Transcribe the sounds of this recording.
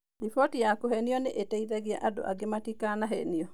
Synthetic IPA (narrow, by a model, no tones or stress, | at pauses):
ifɔtijakohɛniɔneʔetɛiðaɣiaʔado̰ʔa̰ɡematikanaɦɛniɔ